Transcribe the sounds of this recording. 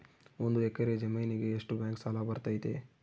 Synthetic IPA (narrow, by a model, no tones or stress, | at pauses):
ond̪uekːɐɾed͡ʒɐmɐjniɡeːʂʈubʲjaːŋksaːlabɐɾt̪aːjt̪e